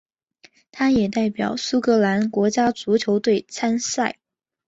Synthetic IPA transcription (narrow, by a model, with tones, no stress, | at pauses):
t̪ʰa˥jɛ˨˩t̪a˥˩ɪpjɑ̰˨˩˦ʊsu˥kɤ˧˥la˧˥nkwɔ˧˥t͡ɕja˥t͡su˧˥t͡ɕʰjo˧˥ʊt̪we˥˩ɪt͡sʰa˥nsa˥˩ɪ